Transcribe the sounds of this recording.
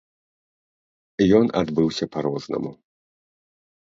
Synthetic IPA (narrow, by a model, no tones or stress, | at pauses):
ijɔnʔa̰d̪bɨwɕɛpaɾwɔznɔ̰mu